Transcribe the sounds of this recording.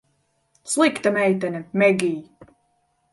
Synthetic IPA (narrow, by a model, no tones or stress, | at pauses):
slˠikt̪amɛjt̪anʲɛmɛɡʲiː